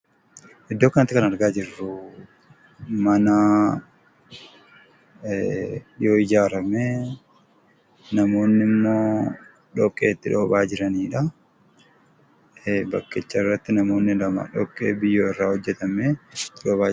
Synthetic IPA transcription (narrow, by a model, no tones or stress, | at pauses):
ʔɪd̪ːo̞ːkɐnɐt̪ːɪkɐnɐɾɡaːd͡ʒɪrːʊ | mɐnaː | jo̞ːɪd͡ʒaːɾɐmeː | nɐmo̞ːnːɪmːo̞ː | ᶑɔkʼːeːt̪ːɪᶑo̞ːbaːd͡ʒɪɾɐniːᶑɐ | bɐkːet͡ʃːɐɪrːɐt̪ːɪnɐmo̞ːnːɪlɐma̰ᶑɔ̰kʼːḛːbɪjːoːɪrːaːhɔd͡ʒːɛt̪ɐmeːt̪ːɪᶑoːbaː